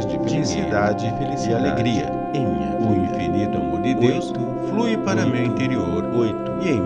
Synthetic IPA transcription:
zd͡ʒifeẽsid̪ad͡ʒɪfelisialeɡɾiɐ̰ | ẽɲɐuĩfinit̪ʊamoɾd̪ɪd̪ewst̪ʊ | flujpaɾɐmewĩnt̪eɾioɾojt̪ʊiẽj̃

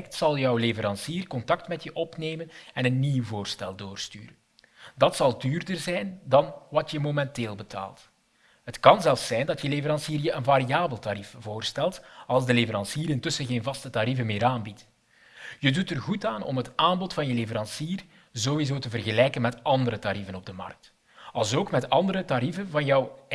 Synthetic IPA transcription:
ɛk̚tsɑlˠjœwlevəɾɑnsiːrkɔntɑk̚tmɛtjəʔɔpneːmənɛnənːiwvoːrstɛlˠdoːrsty̰ːɾən | dɑtsɑlˠdyːrdərzɛjndɑnʋɑtjəmomɛnteːlˠbətʰa̰ːlˠt | ɦətkɑnzɛlˠfsɛjndɑtjəlevəɾɑnsiːrjəʔənvaɾijaːbəlˠtaɾifv̥oːrstɛlˠtɑlˠzdəlevəɾɑnsiːɾɪntɵsənɣeːnvɑstətaɾivənmɪːɾaːnbit | jədutərɣutaːnɔ̰mɦətaːmbɔtfɑnjəlevəɾɑnsiːr | zowizoːtəvərɣəlɛjkənmɛtɑndəɾətaɾivənɔb̚dəmɑ̰rk̚t | ɑlˠzoːkmɛtɑndəɾətaɾivənvɑnjɑw

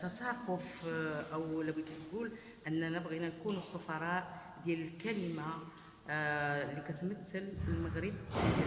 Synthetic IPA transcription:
t̪ɑt̪ɑːqʊfʔæwlæbid̪it̪ɡul | ʔənːænəbɣinænkunusˤːɑfɑɾˤɑːʔ | d̪jæləlkæləma | lːikæt̪mæt̪ːəlfəlmaɣɾəb

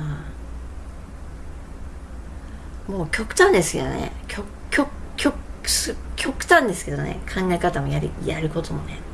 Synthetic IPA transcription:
a | mo̞ːkʲo̞kɯ̟̥t̪ãnd̪e̞sɨ̥ke̞̰d̪o̰nḛkʰʲo | kʰʲokʲʰoskʲʰo̞kɯ̟̥t̪ãnd̪e̞sɨ̥ke̞d̪o̞nḛkʰãŋɡaekat̪amo̞jaɾʲḭjaɾɯ̟ko̞t̪omone

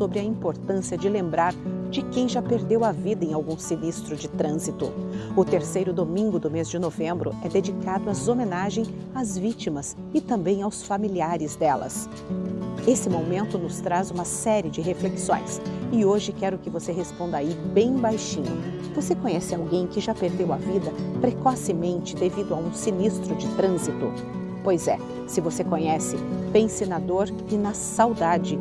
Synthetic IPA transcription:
sobɾɪɐĩpoɾt̪ɐ̃siɐd͡ʒɪlẽmbɾaɾd͡ʒɪkẽj̃ʒapeɾd̪ewɐvid̪ɐẽawɡũsinist̪ɾʊd͡ʒɪt̪ɾɐ̃zit̪ʊ̰ʊt̪eɾsejɾʊd̪omĩŋɡʊd̪ʊmezd͡ʒɪnovẽmbɾʊ̰ɛd̪ed͡ʒikad̪ʊɐzomẽnaʒẽj̃ | azvit͡ʃimɐs | ɪt̪ɐ̃mbẽj̃awsfamiliaɾɪzd̪ɛlɐ̰s | esɪmomẽnt̪ʊnʊst̪ɾazũmɐsɛɾiɪd͡ʒɪɦefleksõ̰j̃sɪoʒɪkɛɾʊkɪvoseɦespõnd̪ɐaibẽj̃bajʃĩɲʊ̰ | vosekõɲɛsɪawɡẽj̃kɪʒapeɾd̪ewɐvid̪ɐpɾekɔsɪmẽnt͡ʃɪd̪evid̪ʊaũsinist̪ɾʊd͡ʒɪt̪ɾɐ̃zit̪ʊ | pojzɛ | sɪvosekõɲɛsɪpẽsenad̪oɾ | ɪnɐsawd̪ad͡ʒɪ

